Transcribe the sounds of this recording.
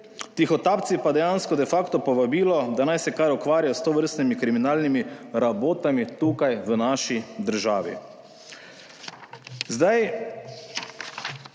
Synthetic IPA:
t̪ixɔt̪aːpt̪sipad̪ɛjaːnskɔd̪ɛfaːkt̪ɔpɔʋabiːlɔd̪anajsɛkaɾukʋaːɾʲjajɔst̪oːʋəɾst̪nimikɾiminaːlnimiɾaboːt̪amit̪uːkajʋənaːʃid̪əɾʒaːʋḭ | zd̪aj

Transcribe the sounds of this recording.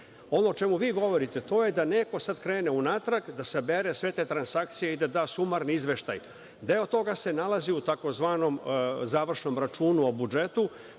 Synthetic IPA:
o̞no̞ːt͡ʃe̞muʋiːɡo̞ʋo̞ɾit̪e̞t̪o̞jed̪ane̞ko̞sad̪kɾeːneunaːt̪ɾaɡd̪asabeɾesʋe̞t̪et̪ɾansak̚t̪sijeid̪ad̪aːsumaɾniizʋe̞ʃt̪a̰j | d̪eot̪o̞ɡase̞nalˠaziut̪ako̞zʋaːnomzaːʋr̩ʃno̞mɾat͡ʃuːnuo̞bud͡ʒet̪u

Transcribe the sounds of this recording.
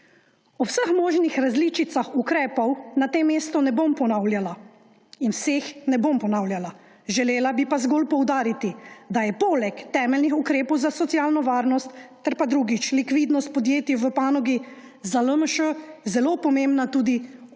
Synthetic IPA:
ɔwsəxmɔːʒnixɾazlit͡ʃit̪saxukɾɛːpɔwnat̪emːeːst̪ɔnɛbompɔnawljala | inwseːxnɛbompɔnaːwljala | ʒɛleːlabipazɡolpɔwd̪aːɾit̪id̪ajɛpoːlɛkt̪ɛːmɛlnixukɾeːpɔwzasɔt̪sjaːlnɔʋaːɾnɔst̪ː | ɛɾpad̪ɾuːɡit͡ʃlikʋiːd̪nɔst̪̚pɔd̪jeːt̪jiʋəpaːnɔɡi | zaləməʃəzɛloːpɔmembnat̪uːd̪i

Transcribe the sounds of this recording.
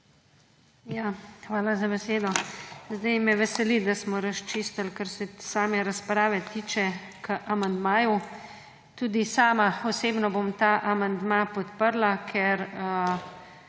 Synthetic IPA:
jaːxʋaːlazabɛseːd̪ɔzd̪ajmɛʋɛsɛlid̪asmɔɾaʃt͡ʃist̪alkaɾsɛsaːmɛɾaspɾaːʋɛt̪iːt͡ʃɛ | kəʔamand̪maːju | t̪uːd̪isaːmaɔseːbnɔbomt̪aːʔamand̪mapɔt̪pəɾlakʰɛɾ

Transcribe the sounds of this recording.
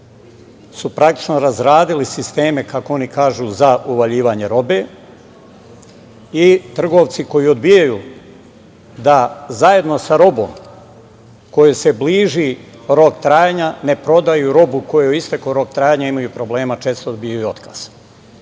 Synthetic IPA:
supɾakt̪i̥t͡ʃnoɾazɾaːd̪ilisist̪eːme̞kakoo̞nikaːʒuzauʋaʎiːʋaɲe̞ɾo̞be | it̪r̩ɡo̞ʋt̪siko̞jiod̪bijaju | d̪azaje̞d̪no̞saɾo̞bo̞̰ːm | ko̞jese̞bliːʒi | ɾo̞kt̪ɾaːjaɲane̞pɾo̞d̪ajuɾo̞buko̞jeoist̪akoɾo̞kt̪ɾaːjaɲaimajupɾo̞ble̞ːmat͡ʃe̞ːst̪oːd̪bijajuo̞t̪ka̰z̥

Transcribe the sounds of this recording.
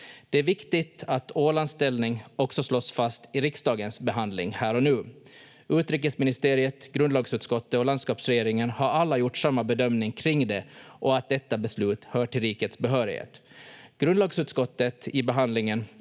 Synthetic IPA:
d̪̥ɛæɾvɪkt̪ɪt̪at̪oːlanst̪ɛlnɪŋɔksɔslɔsfast̪ɪɾɪksd̪ɑːɡənsbɛɦand̪lɪ̰ŋhæːɾɔnʉ̟ː | ʉ̟ːt̪ɾiːk̬əsmɪnɪst̪eːɾɪət̪ɡ̥ɾɵnd̪lɑːɡsʉːt̪skɔt̪ːəɔland̪skɑːpsɾɛjeːɾɪŋənhaɾalːajʊʈːsamːabɛd̪œmnɪŋkʰɾɪŋd̪ɛʔɔat̪̚d̪ɛt̪ːabɛslʉ̟ːt̪hœːʈɪlɾiːkət̪sbɛɦœːɾɪhḛːt̪ɡ̥ɾɵnd̪lɑːɡsʉːt̪skɔt̪ːət̪ɪbɛɦand̪lɪŋən

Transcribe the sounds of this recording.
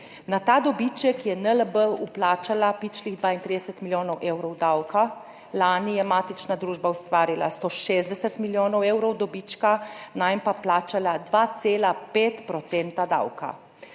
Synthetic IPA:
nat̪aːd̪ɔbit͡ʃɛkjɛnələbəuplaːt͡ʃalapit͡ʃliɣd̪ʋaːint̪ɾid̪ɛsət̪miljoːnɔwʔeːwɾɔwd̪awka | laːnijɛmaːt̪it͡ʃnad̪ɾuːʒbaust̪ʋaːɾila̰st̪oʃeːzd̪ɛsət̪miljoːnɔwewɾɔwd̪ɔbit͡ʃkanajmpaplaːt͡ʃalad̪ʋaːt̪seːlapeːt̪pɾɔt̪seːnt̪ad̪a̰wka̰

